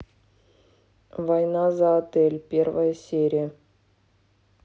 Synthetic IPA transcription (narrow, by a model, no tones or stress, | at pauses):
vɑjnɑzɑt̪elʲpʲervəjəsʲeɾʲijə